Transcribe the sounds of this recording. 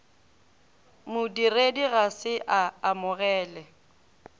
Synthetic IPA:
mʊdirediɣasɪʔaːmʊɣɛːlɛ

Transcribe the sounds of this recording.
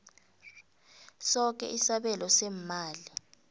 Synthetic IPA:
sɔk̬ʼɛ̰ʔisaɓɛlɔsɛmmaːli

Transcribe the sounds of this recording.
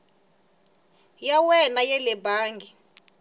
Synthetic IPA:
jawɛnajɛlɛbaːŋɡi

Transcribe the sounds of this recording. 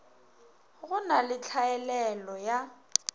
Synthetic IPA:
ɣʊnalɪt͡ɬʰaɛlɛlɔja

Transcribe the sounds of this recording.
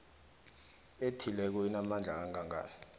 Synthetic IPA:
etʰilɛk̬uinamand͡ɮʱaaŋaŋʱa̰ːni

